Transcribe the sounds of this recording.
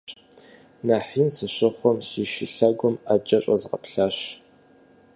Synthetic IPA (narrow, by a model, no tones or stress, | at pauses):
naːħiːnsɨɕʼɪχʷɔmsiːʃɪɬɐɡʷʊmad͡ʒɐɕʼɐzʁɐ̰pɬaːɕ